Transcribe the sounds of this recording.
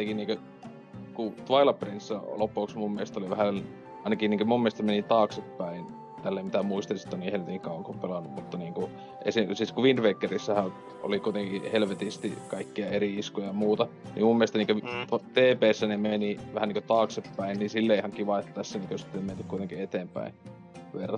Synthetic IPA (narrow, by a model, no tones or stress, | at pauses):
t̪ekiniːŋkø | kut̪ʋɑilɑprinsːælopːˑuoksmummielest̪oliʋæhæ | ɑˑinɑkiniːŋkømumːielest̪æmenit̪ɑːksepːæin | t̪ælːeːmmit̪æmuist̪ɑsi̥t̪ːonihelʋet̪iŋkikɑˑuɑŋkopelɑnːummut̪ːɑniːŋku | ʔḛsisiːskuʋind̪ʋekːerisːæhæ | o̰likuit̪eŋkihelʋet̪ist̪ikɑikːiɑeriiskojɑmuːt̪ɑ | nḭmumielest̪ɑniːŋkøt̪ɑt̪eːpeːsːænemeniʋæhæniŋkøt̪ɑːksepːæinnisilːeihɑŋkiʋɑet̪ːt̪æsːæniːŋkøsi̥t̪ːemmenːykkuit̪eŋkiet̪eːmpæ̰in | ʋerːɑ